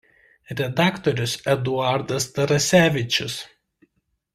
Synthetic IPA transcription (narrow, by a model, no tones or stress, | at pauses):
ɾʲɛd̪ɑːkt̪ɔɾʲʊsɛd̪ʊɑˑɾd̪ɐst̪ɐɾɐsʲæːʋʲɪt͡ʃʲʊs